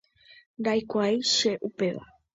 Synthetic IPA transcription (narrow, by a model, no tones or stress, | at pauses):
nɾajkʷajʃeʔupeʋa̰